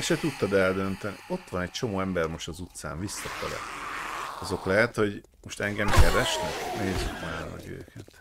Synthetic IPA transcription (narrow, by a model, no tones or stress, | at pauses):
ɛʃɛt̪ut̪ːɒd̪ɛld̪ø̞nt̪ɛnḭo̞t̪ːʋɒnɛc̚t͡ʃo̞moːɛmbɛrmo̞ʃt̪ɒzut̪sa̰ːɱvisːɒfɛlɛ̰t | ɒzo̞klɛɦɛt̪ho̞ɟ | mo̞ʃt̪ɛŋɡɛmkɛɾɛʃnɛkneːzːyknaːlnɒ̰ɡø̰ːkʰɛt̪